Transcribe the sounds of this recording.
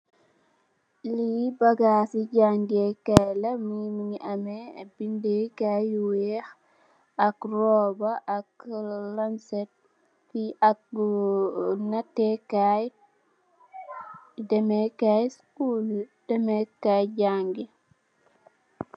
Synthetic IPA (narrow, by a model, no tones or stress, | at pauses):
libɐɡasiɟaŋɡekalɐmimiɲiʔɐmebindekajwɛx | ɐkrɔbaʔːklamsɛt̚ | fiɐk̚ | natːɛkaj | dɛmɛkajskuld̥ɛmɛkajɟaŋɡi